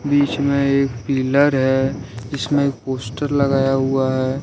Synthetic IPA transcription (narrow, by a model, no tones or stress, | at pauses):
biːt͡ʃmẽeːkpiːləɾɦɛd͡ʒɪsmẽek̚poːsʈəɾlɐɡaːjaɦuaɦɛː